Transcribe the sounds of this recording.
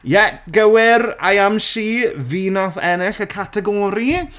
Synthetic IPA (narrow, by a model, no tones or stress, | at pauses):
jɛɡəwɪɾa̰jamʃiːviːnɔθɛnɪɬəkʰatʰɛɡɔːɾi